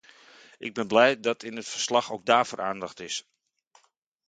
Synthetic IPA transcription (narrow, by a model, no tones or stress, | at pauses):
ʔɪɡ̚bɪnblɛjdɑtʰɪnətfərslɑxowɡ̚daːfoːɾʔaːndɑxtɪs